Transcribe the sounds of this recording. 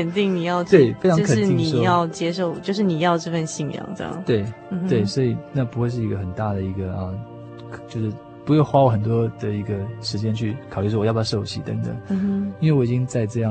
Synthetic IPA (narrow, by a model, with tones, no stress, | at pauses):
ə˨˩nt̪i˥˩ŋni˨˩jɑ˥˧ʊt̪we˥˩ɪfe˥ɪʈ͡ʂʰɑ˧ŋkʰə˨˩˥i˥nŋi˨ʂɔ˥jɑ˥˩ʊt͡ɕjɛ˥ʂo˥˩ʊt͡ɕjo˥˧ʊʂ̬ɻ̩˥˩ni˨˩jɑ˥˧ʊʈ͡ʂɤ˥˧fə˥˧nɕi˥˧ŋjɑ̰˨˩˦ŋʈ͡ʂɑ̰˨˩˦t̪we˥˩ɪ˩˧we˥˩ɪswɔ˧˥i˨˩na˥˩pu˧˥xwe˥˧ɪʂ̬ɻ̩˥˩i˧˥ɡə˧˩xə˨˩nt̪a˥˩d̪ə˩i˧˥ɡə˧ɐ˧ | t͡ɕjo˥˧ʊʂɻ̩˥˩ | pu˧˥jʊxwa˥wɔ˧˥xə˨˩nt̪̬wɔ˥d̪̥ə˨i˧˥ɡə˧ʂɻ̩˧˥t͡ɕjɛ˥nt͡ɕʰy˥˩kʰʊly˥˩ʂ̬wɔ˥˩wjbʰa˥ʂo˥˩ʊt͡ɕʰḭ˥˩t̪ə˧˦ŋt̪ə̰˨˩˦ŋ˧i˥nwe˥˩wɔ˨˩i˨˩t͡ɕi˥ŋt͡sa˥˧ɪʈ͡ʂɤ˥˧jɑ˥˩